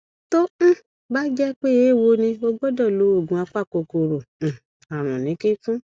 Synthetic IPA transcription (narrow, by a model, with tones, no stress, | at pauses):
tõ˦˨ | ba˦d͡ʒɛ˦k͡pe˦je˨˦˨wo˧nĩ˧o˧ɡ͡bɔ˦dɔ˦˨lo˨˦o˦˨ɡũ˨˦a˧k͡pa˦˨ko˧ko˧ɾo˨ | a˨ɾ̃ɔ̃˨nĩ˨˦ke˦fũ˦